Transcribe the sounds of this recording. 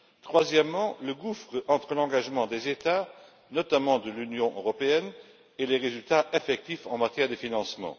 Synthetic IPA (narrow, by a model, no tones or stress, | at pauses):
t̪χwazjɛmːɑ̃ləɡufχəʔɑ̃t̪χəlɑ̃ɡaʒmɑ̃d̪ezet̪a | nɔt̪amɑ̃d̪əlynjɔ̃ʔøʁɔpeɛn | eleʁezylt̪aʔefɛk̚t̪ifɑ̃mat̪jɛʁd̪əfinɑ̃smɑ̰̃